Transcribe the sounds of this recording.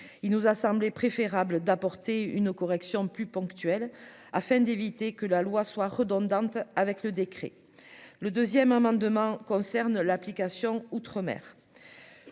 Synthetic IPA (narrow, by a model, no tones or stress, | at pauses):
ilnuzasɑ̃blepχefeʁabləd̪apɔʁt̪eynəkɔʁɛksjɔ̃plypɔ̃kt̪yɛl | afɛ̃d̪evit̪ekəlalwaswaʁəd̪ɔ̃d̪ɑ̃t̪avɛkləd̪ekχḛ | ləd̪øzjɛmamɑ̃d̪mɑ̃kɔ̃sɛʁnlaplikasjɔ̃ut̪χəmɛ̰ʁ